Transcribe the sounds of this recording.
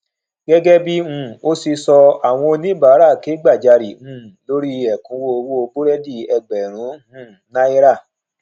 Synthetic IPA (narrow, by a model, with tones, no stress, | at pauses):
ɡ̥ɛ˦ɡɛ˦bi˦ũ˧˨o˦si˧sɔ˧a˨w̃ɔ̃˧o˧nĩ˦ba˨˦ɾa˦˨ke˨˦ɡ͡ba˦˨d͡ʒa˧ɾi˨ũ˦˨lo˦ɾi˦ɛ˨kũ˧wo˦o˧wo˦o˧bo˦ɾɛ˦di˦˨ɛ˧ɡ͡bɛ˨ɾ̃ũ˨˦ũ˦˨˦nã˦i˦ɾa˦˨